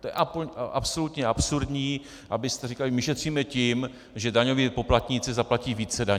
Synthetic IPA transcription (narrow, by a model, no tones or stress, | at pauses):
t̪ojɛ̰ʔapʔa̰pso̞lut̪ɲɛʔapsuɾdɲiː | ʔabɪst̪ɛrikalɪmɪʃɛt̪r̝̥iːmɛcim | ʒɛdaɲo̞viːpo̞plat̪ɲɪt͡sɪzaplaciːviːt͡sɛdaɲ